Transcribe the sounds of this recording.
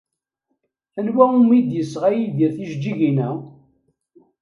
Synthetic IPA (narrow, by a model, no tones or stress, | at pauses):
ənwæumid̪jəsʁæjiðjæɾθiʒd͡ʒiʝinæ